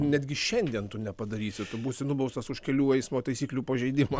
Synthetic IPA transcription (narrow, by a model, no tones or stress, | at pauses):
nʲɛd̪ʲɡʲɪʃʲɛnʲd̪ʲiɛnt̪ʊnʲɛpɐd̪ɐɾʲiːsʲɪt̪ʊbuːsʲɪnʊbɐʊst̪ɐsʊʃkʲɛlʲuːɛɪsmoːt̪ɐɪsʲiːklʲuːpɐʒʲɛɪd̪ʲɪmɐ